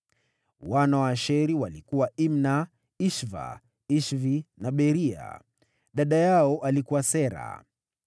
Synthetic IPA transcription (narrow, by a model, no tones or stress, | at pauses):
wanawaʃɛɾiwalikuwaimna | iʃva̰ | iʃvinaɓɛɾia̰ | ɗaɗajaɔʔalikuwasɛɾa̰